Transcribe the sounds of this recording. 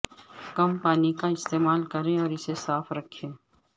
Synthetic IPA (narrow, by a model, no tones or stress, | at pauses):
kɐmpaːnikaɪst̪eːmaːlkɐɾẽɔːɾɪsesaːfɾɐkʰːẽː